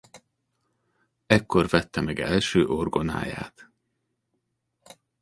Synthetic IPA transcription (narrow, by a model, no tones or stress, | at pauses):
ɛkːo̞rvɛt̪ːɛmɛɡɛlʃøːʔorɡo̞na̰ːja̰ːt̪